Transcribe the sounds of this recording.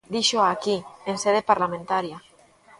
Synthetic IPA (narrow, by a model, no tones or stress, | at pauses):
d̪iʃoakienseð̞epaɾlamẽnt̪aɾja